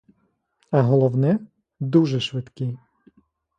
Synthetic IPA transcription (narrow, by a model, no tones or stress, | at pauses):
aɦɔlˠɔwnɛ | d̪uʒɛʃʋɛt̪ki